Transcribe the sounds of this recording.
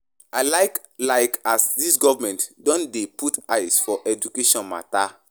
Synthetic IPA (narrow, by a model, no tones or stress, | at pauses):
aɪlaɪk | laɪkasdisɡɔvamɛ̃ntdɔ̃ndeputaɪsfɔʔɛd͡ʒukeʃɔ̃nma̰ta